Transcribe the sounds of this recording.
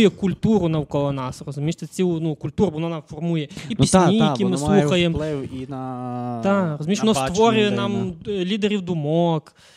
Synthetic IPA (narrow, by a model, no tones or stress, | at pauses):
jɛkʊlʲt̪uɾʊnɐwkɔlˠɔnɑsrɔzʊmʲiʃt̪ɛt͡sʲiwnukʊlʲt̪uɾbɔnɔnafɔrmujɛipisʲnʲiijɐkʲimɪslˠuxxɐjemɛwinɐt̪arɔzʊmʲiʃʋɔnɔsst̪ʋɔɾʲʊjɛnamlʲid̪eɾʲiwd̪ʊmɔk